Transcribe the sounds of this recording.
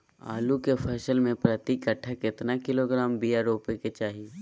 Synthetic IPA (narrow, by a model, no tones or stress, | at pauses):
a̰ːlukefʰɛːʃəlmẽpɾɐt̪ikəʈʰːakɪt̪nakɪloɡɾaːmbiːaɾoːpeket͡ʃaːɦi